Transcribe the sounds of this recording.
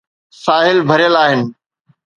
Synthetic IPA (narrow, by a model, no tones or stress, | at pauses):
saːɦɪlbʱəɾɪjəlaːɦɪnɪ̆